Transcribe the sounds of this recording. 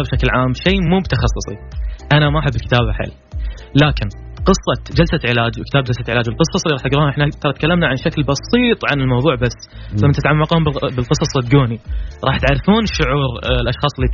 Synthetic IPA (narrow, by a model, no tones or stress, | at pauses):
bʃaklʕaːmʃeːmuːbt̪ɑxɑsˤːʊsˤḭʔanamaʔħabːɪlkɪt̪aːbaħɪ̰lː | laːkɪnqɨsˤːɑd͡ʒalsaʕɪlaːd͡ʒwkɪt̪aːb̚d͡ʒalsaʕɪlaːd͡ʒwɪlqɨsˤːɑsˤlːiɾɑħt̪ɪɡɾuːhʔɪħnat̪ɑɾˤɑt̪kalːamnaʕanʃaklbɑsiːt̪ˤʕanɪlmɑwðˤuːʕbasːfmːant̪ɪt̪ʕamːɑqhʊmbbɪlqɨsˤɑsˤd̪̚ɡuːniɾˤɑːħt̪ʕaɾˤfuːnʃːʊʕuːɾlʔɑʃxɑːsˤlːi